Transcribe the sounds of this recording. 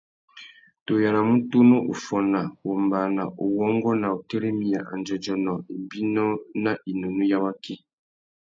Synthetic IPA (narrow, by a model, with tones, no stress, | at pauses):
to˨ja˨ɾa˨mu˦to˦no˦ʔṵ˨fɔ˨na˨wo˨mba˨na˨ʔo˨wɔ˦ŋɡɔ˦na˨o˨te˦ɾe˦mi˨ja˨ʔa̰˨nd͡ʒɔ˨d͡ʒɔ˨nɔ˨i˨bi˦nɔ˦na˦i˨no˨nu˦ja˦wa˦ki˦